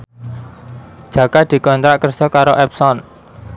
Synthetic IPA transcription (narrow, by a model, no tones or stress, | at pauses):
d̥ʒ̥ä̤kad̪̥i̤kɔnt̪ɾaʔkərd͡ʒ̥ɔkaɾoʔɛpsɔn